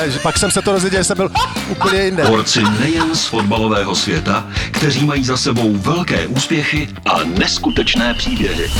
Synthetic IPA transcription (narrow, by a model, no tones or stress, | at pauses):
ʒɛpaksɛmsɛt̪oɾozvjɛɟɛlɛsɛmbɪlʔupəɲɛjɪndɛoɾt͡sɪnɛjɛnsfo̞dbalo̞vɛːɦo̞svjɛt̪akt̪ɛr̝iːmajiːzasɛbo̞wvɛlkɛ̰ːʔuːspjɛxɪʔa̰nɛskut̪ɛt͡ʃnɛːpr̥iːbjɛɦɪ̰